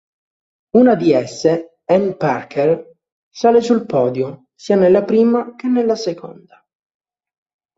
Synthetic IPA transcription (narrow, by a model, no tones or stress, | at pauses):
unad̪iɛsːe | ɛnparkʰer | saːlesulpɔːd̪jo | siːanelːapɾiːmak̟enːelːasekʰɔ̰nd̪a